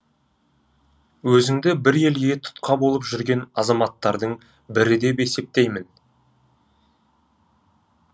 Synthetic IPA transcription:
wɵzɪŋd̪ɪbɪɾe̞lɡʲe̞t̪ʰʊ̥t̪qɑbo̞lˠəpʒʏɾɡʲe̞nɑzɑmɑt̪ːɑɾd̪əɴ | bɪɾɪd̪e̞pe̞se̞p̚t̪e̞jmɪn

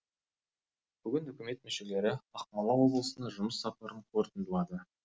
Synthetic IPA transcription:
b̥ʏɡʲɪnʏkʲɪme̞t̪̚mɵʃe̞le̞ɾɪɑqmɑlˠɑwo̞blˠəsənɑʒʊməsːɑp̚ɑɾəɴqʰo̞ɾt̪ənd̪əlˠɑd̪ə

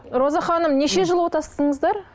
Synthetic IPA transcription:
ɾo̞zɑχɑnəmneʃe̞ʒəlˠwot̪ɑst̪əɴəzd̪ɑɾ

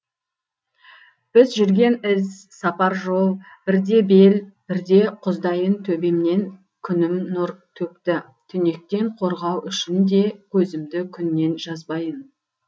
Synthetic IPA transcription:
b̥ɪzʒʏɾɡʲe̞nɪs | sɑpɑɾʒo̞lˠ | b̥ɪɾd̪e̞be̞lb̥ɪɾd̪e̞qʰʊzd̪ɑjənt̪ʰɵbe̞mne̞n | kʲʰʏnɪmnʊɾt̪ʰɵp̚t̪ɪ | t̪ʰʏne̞k̚t̪e̞ɴqʰo̞ɾʁɑwʔʏʃɪnd̪e̞kʰɵzɪmd̪ɪkʲʰʏnːe̞nʒɑzbɑjən

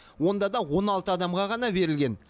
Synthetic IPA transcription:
wo̞nd̪ɑd̪ɑwo̞nɑlˠt̪əɑd̪ɑmʁɑʁɑn̪ɑbe̞ɾɪlɡʲe̞n

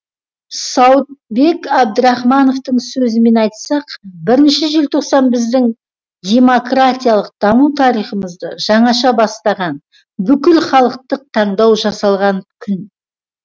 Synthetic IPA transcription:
sɑwt̪̚be̞kʲab̚d̪əɾɑχmɑno̞ft̪əɴsɵzɪme̞nɑjt̪sɑqbɪɾɪnʃɪʒelt̪ʰo̞qsɑnbɪzd̪ɪŋ | d̪ʲe̞mokrat̪ʲijɑlˠəq̚d̪̥ɑmut̪ʰɑɾijχəməzd̪əʒ̥ɑɴɑʃɑbɑst̪ɑʁɑn | bʏkʲɪlχɑlˠəq̚t̪əq̚t̪ʰɑɴd̪ɑwʒɑsɑlˠʁɑŋkʲʰʏn

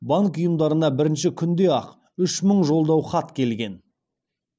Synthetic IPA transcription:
bɑŋkʊjəmd̪ɑɾənɑbɪɾɪnʃɪkʲʰʏnd̪e̞ɑq | ʏʃməɴʒo̞lˠd̪ɑwχɑt̪kʲʰe̞lɡʲe̞n

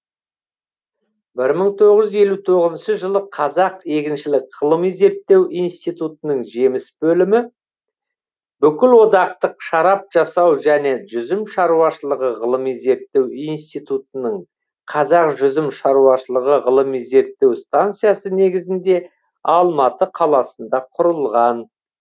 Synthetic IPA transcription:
bɪɾməɴt̪ʰo̞ʁəʒʏzze̞lut̪ʰo̞ʁəzənʃəʒəlˠəqʰɑzɑqe̞kʲɪnʃɪlɪkʁ̥əlˠəmize̞ɾt̪ːe̞wijnst̪it̪ut̪ənəɴʒe̞mɪsbɵlɪmɪ | bʏkʲɪlwo̞d̪ɑq̚t̪əqʃɑɾɑp̚ʒ̥ɑsɑwʒæne̞ʒʏzɪmʃɑɾuɑʃəlˠəʁəʁəlˠəmize̞ɾt̪ːe̞winst̪ijt̪ut̪ənəɴ | qʰɑzɑqʒʏzɪmʃɑɾuɑʃəlˠəʁəʁəlˠəmize̞ɾt̪ːe̞wst̪ant̪sɨjasəne̞ɡʲɪzɪnd̪e̞ | ɑlˠmɑt̪əqʰɑlˠɑsənd̪ɑqʰʊɾəlˠʁɑn

